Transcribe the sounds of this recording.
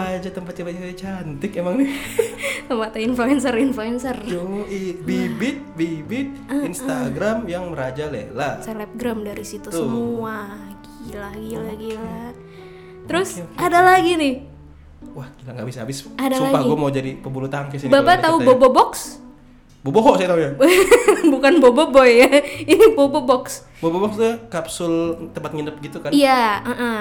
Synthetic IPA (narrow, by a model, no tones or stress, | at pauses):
ad͡ʒat̪əmpat̪̚t͡ʃəbat̪at͡ʃant̪ɪkemaŋnɪ | səmat̪ainfluɛnsərinfluɛnsərdoibibɪt̪̚bibɪt̪̚ainst̪aɡɾamjaŋməɾad͡ʒalelasɛlɛp̚ɡɾamdaɾisit̪usəmuaɡilaɡilaɡila | t̪əɾʊsadalaɡinɪh | wahkilaŋɡabisaabɪsadaslaɡaiɡomaud͡ʒadipəbulut̪aɦankəsinbabat̪aubobobɔks | boboɦɔʔsajt̪auja | bukanbobobɔjainibobɔbɔks | bobɔbɔkst̪ukapsʊlt̪əmpat̪̚ŋənəp̚ɡit̪ukanijaəʔə